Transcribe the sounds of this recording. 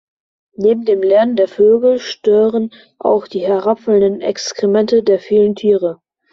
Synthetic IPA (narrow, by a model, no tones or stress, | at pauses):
neːbm̩deːmlɛɐnəndeːɐføːɡl̩ʃtøːʁən | ʔa̰ʊxd̥iːɦɛɐʁapfələndənɛ̰kskʁ̥imɛntədeːɐfiːləntʰiːʁə